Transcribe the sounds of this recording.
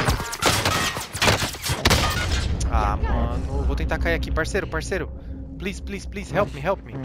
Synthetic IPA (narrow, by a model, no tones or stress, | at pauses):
amɐ̃nʊvowt̪ẽt̪aɾkaiakipaɾseɾʊpaɾseɾʊ | pliz̥pliz̥pliz̥hɛwpmiɦɛwp̚mi